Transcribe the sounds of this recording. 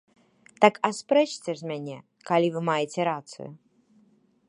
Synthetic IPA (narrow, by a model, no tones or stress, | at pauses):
t̪akaspɾɛt͡ʃt͡sʲɛzʲmʲanʲɛ | kalʲivɨmajɛt͡sʲɛɾat̪sɨ̰ju